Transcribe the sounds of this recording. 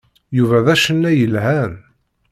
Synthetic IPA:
juvæðæʃənːæjəlɦæn

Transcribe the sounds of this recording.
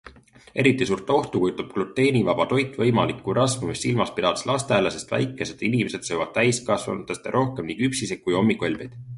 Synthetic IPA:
ʔe̞ɾit̪ːˑisuːrt̪ːˑeo̞ht̪ukujut̪ːɑb̥klut̪ˑːe̞ːnivɑb̥ɑt̪o̞jt̪ːˑvɤ̞jmɑlikːuɾʔɑsmumisːilmɑspid̪̥ɑd̪eslɑst̪elese̞st̪væ̰jkːˑe̞se̞d̪inimese̞d̪̥sɤjvɑd̥̪̚t̪æjskɑsvɑ̰nt̪ːˑest̪ḛɾʔo̞hke̞mnikypsisekkːujo̞mːikˑolʲvid̪̥

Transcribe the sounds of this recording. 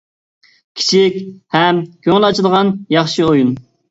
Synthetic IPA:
kʲʰi̥t͡ʃʰikʲhɛmkʲʰøŋɪlˠɑt͡ʃʰilˠʁɑnjɑχʃiojun

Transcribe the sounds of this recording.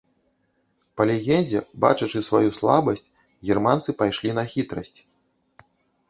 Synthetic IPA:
pɐlʲɛɣʲɛnʲd͡zʲɛba̰t͡ʂɐt͡ʂɨsvajuslˠabɐsʲt͡sʲ | ɣʲɛrmant̪sɨpajʂlʲinɐxʲit̪ɾɐsʲt͡sʲ

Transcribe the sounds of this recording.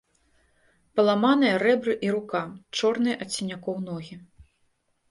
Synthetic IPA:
pɐlˠamanɨjɐɾɛbɾɨʔiɾukat͡ʂɔrnɨjʔɐt̪ʲsʲinʲakɔwnɔɣʲi

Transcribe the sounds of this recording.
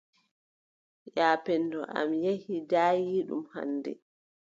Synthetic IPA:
jaːpɛndɔʔa̰mjehidaːjiːɗṵmha̰nːdɛ̰

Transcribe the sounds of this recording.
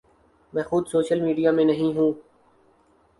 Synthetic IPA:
mɛ̃ːxʊd̪soːʃəlmiːɖijaːmẽːnəɦĩɦũː

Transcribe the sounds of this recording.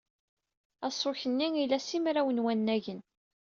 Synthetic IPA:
æsˤoçənːiŋilæsimɾæwənwænːæʝən

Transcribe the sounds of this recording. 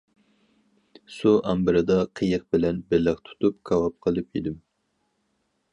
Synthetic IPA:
suʔɑmbɨɾɨd̪ɑqʰəjəq̚bɪlɛnbɪləqt̪ʰu̥t̪up̚kʰɑwɑp̚qʰəlˠɨpid̪ɪm

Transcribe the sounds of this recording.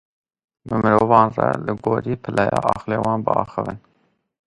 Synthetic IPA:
bəmɨɾoːvɑːnrɛlɨɡoːɾiːpʰəlʔɛjɑːʔɑːxleːwɑːnbəɑːxəvən

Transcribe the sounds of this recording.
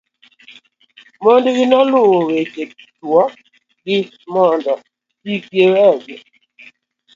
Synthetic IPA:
mɔndɡɪnɔlʊweke | twɔ | ɡɪ | mɔndɔ | ikewɛɡɛ

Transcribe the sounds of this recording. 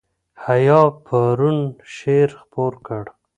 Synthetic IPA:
hajɑpʰaɾunʃeɾxpoɾkəɽ

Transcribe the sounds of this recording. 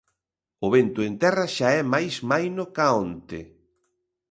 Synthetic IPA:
ʊβent̪ʊent̪ɛraʃaɛmajsmajnokaont̪e

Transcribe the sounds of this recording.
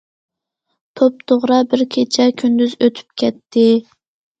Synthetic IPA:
t̪ʰop̚t̪ʰoʁɾɑbɪɾkʲʰet͡ʃʰɛkʲʰynd̪yzøt̪ʰy̥p̚kʲʰɛt̪ʰːɪ

